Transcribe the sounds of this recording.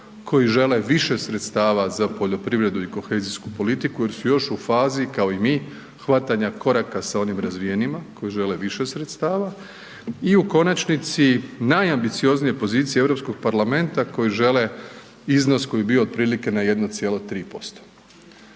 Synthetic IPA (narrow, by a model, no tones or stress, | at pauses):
kʰo̞jiʒe̞le̞ʋiʃe̞sɾe̞t̪st̪aːʋazapo̞ʎo̞pɾiʋɾe̞d̪uiko̞xeziskupo̞lit̪ikuje̞ɾsujo̞ʃufaːzikao̞imi | xʋat̪aɲako̞ɾakasao̞nimɾazʋijenimako̞jiʒe̞le̞ʋiʃe̞sɾet̪st̪aːʋa | iuko̞nat͡ʃnit̪sinajambit̪sio̞znije̞po̞ziːt̪sijee̞vɾo̞psko̞ɡ̥̚paɾlame̞nt̪ako̞jiʒe̞le | izno̞sko̞jebio̞ːd̪̚pɾiːlike̞naje̞d̪not̪sijelot̪ɾiːpo̞st̪o̥